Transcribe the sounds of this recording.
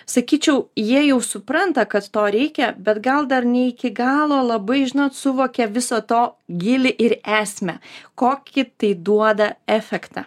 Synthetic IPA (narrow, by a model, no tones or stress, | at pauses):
sɐkʲiːt͡ʃʲɛʊjiɛjɛʊsʊpɾɐnt̪ɐkɐt̪t̪oːɾʲɛɪkʲɛbʲɛt̪ɡɐlˠd̪ɐɾnʲɛɪkʲɪɡɑːlˠoːlˠɐbɐɪʒʲɪnoːt̪sʊʋoːkʲɛʋʲɪsoːt̪oːɡʲɪlʲɪʔɪɾæːsʲmʲɛkoːkʲɪt̪ɐɪd̪uɔd̪ɐæːfʲɛkt̪ɑ̰ː